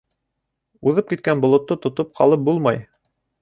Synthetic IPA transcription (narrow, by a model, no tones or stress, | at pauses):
uðɤp̚kit̪̚kænbŏlˠŏt̪ːot̪ŏt̪op̚qʰɑlˠɤp̚bulˠmɑj